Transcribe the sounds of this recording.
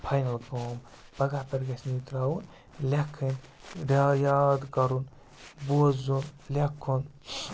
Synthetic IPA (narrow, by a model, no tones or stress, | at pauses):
pʰajnɐlboːm | bɐɡapɐɾɡɐsnit̪ɾaːwun | lʲekʰːinɾiaːjaːt̪ɡɐɾun | buzunlʲekʰːun